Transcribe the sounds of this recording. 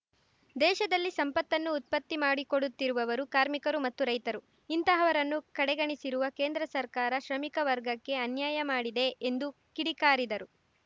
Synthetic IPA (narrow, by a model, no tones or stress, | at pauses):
d̪ɛːʃɐd̪ɐlːisɐmpɐt̪ːɐnːuːt̪̚pɐt̪ːimaːɽikoɽut̪ːiɾuʋɐʋɐɾukaːɾmikɐɾumɐt̪ːuɾɐjt̪ɐɾu | int̪ɐɦɐʋɐɾɐnːukɐɽɛɡɐɳisiɾuʋɐke̞ːnd̪ɾɐsɐɾkaːɾɐʃɾɐmikɐʋɐɾɡɐkːe̞ɐnjaːjɐmaːɽid̪e̞ːnd̪u | kiɽikaːɾid̪ɐɾu